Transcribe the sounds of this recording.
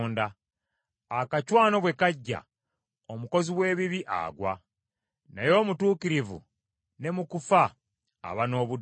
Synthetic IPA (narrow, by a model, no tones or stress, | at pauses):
nda | akacwaːno̞βwe̞kaɟːa̰ | omuko̞ziwe̞ːβiβiʔa̰ːɡwa | najo̞ːmutuːkiɾivṵ | ne̞mukufa̰ː | βano̞ːβud